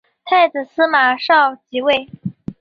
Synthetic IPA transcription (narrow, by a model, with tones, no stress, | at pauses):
t̪ʰa˥˩ɪt͡sɹ̩˨˩sɹ̩˥ma˨˩ʂɑ˥˩ʊt͡ɕi˧˥we˥˩ɪ